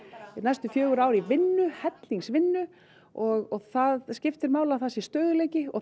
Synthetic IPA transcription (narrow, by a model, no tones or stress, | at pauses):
najst̪ʏfjœːɣʏɾaːwɾivɪnːʏhɛt̪liŋsvɪnːʏ | ɔɣɔɣθaðscɪft̪ɪɾmaːwlaθasist̪œːɣʏlejcɪɔ̰